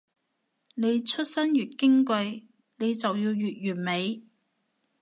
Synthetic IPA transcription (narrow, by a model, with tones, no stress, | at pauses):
ne˨˧jt͡ʃʰɵ˥t̚sɐ˥njyː˨˩t̚kɪ˥ŋkɵ˧j | ne˨˧jt͡sɐ˨wjiː˧wjyː˨t̚ɥyː˨˩nme˨˧j